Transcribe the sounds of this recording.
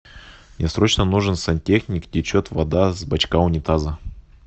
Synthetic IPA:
nʲɪsɾo̞t͡ɕnənuʐɨnsɐnʲtʲexnʲɪkdʲɪt͡ɕot̪vɐd̪azbɐt͡ɕkaʊnʲɪt̪azə

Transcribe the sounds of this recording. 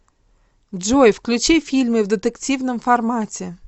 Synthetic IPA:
dʒojfklʲʉt͡ɕifʲilʲmɨvd̪ət̪əktʲivnəmfarmatʲe

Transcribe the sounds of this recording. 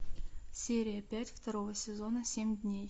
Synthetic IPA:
sʲeɾʲijəpʲætʲft̪ɐɾovəsʲezo̞nəsʲemʲd̪ʲnʲej

